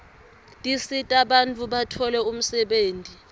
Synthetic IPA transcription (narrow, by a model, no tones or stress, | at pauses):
tʼisitʼaɓantʰʼuɓatʰɔlɛum̩sɛɓeːntʼi